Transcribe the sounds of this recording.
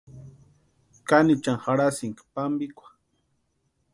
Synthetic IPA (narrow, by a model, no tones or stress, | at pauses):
kanit͡ʃaŋxaɽasiŋkḁpambikʷḁ